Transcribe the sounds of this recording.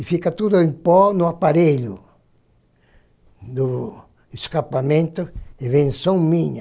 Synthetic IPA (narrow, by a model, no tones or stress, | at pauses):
ifikat̪ud̪ʊẽmpɔnʊapaɾeʎʊ | d̪u | eskapamẽnt̪ʊsevẽnsõŋmĩɲa